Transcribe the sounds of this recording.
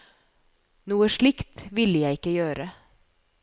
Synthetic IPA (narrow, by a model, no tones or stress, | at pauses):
nuːəʂɭɪkt̪ʋɪlːəjæɪɪkːəjøːɾə